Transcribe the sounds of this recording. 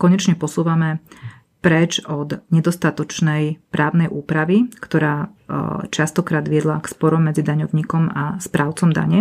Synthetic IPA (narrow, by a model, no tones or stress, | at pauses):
kɔɲɛt͡ʃɲɛpɔsuːʋamɛ | pɾɛt͡ʃɔd̪ɲɛd̪ɔst̪at̪ɔt͡ʃnɛjpɾaːʊnɛjʔuːpɾaʋikt̪ɔɾaː | t͡ʃast̪ɔkɾaːd̪ʋɪɛd̪lakspɔɾɔmːɛd͡zid̪aɲɔʊɲiːkɔmaspɾaːʊt͡sɔmd̪a̰ɲɛ